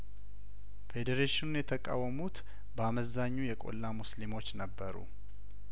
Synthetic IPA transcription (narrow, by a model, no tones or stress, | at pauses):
fe̞d̪eɾeʃɪnunjɛt̪ʰəkʼa̰wːəmut̪ | bəaməzaɲːujɛkʼo̞̰lːamuslimo̞t͡ʃːnəbːəɾṵ